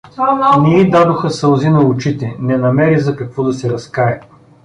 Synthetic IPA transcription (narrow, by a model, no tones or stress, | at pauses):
nɛid̪ad̪oxɐsɐlˠzinɐʊt͡ʃit̪ɛnɛnɐmɛɾizɐkɐkvɔd̪ɐsɛɾɐskaɛ